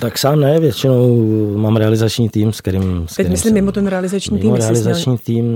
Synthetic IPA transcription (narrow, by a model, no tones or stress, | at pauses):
t̪aksaːmnɛvjɛt͡ʃɪnowmaːmɾɛalɪzat͡ʃɲiːt̪iːmskɛɾɪmst̪ɛmɪslimːɪmot̪ɛnɾɛalɪzat͡ʃɲiːt̪iːmɾɛalɪzat͡ʃɲiːt̪iːm